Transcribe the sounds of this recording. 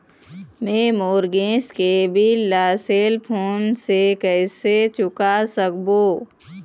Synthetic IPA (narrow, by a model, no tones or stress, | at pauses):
mẽːmoːɾɡẽːskebʱilaːseːlpʰoːnsekɛːset͡ʃʊkasəkboː